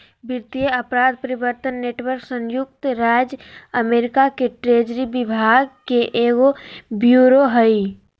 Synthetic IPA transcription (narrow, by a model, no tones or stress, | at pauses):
bɪɾt̪ijəɐpɾaːd̪̚pəɾɪbəɾt̪ənːeːʈwəɾksə̃ŋjʊk̚t̪ɾaːd͡ʒəmeːɾɪkakeʈɾeːd͡ʒɾibɪbʱaːɡkeʔeːɡobjuːɾoɦəi